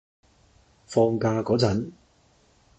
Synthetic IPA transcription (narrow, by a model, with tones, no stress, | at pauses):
fɔː˧ŋkaː˧kɔː˨˥t͡sɐ˨˥n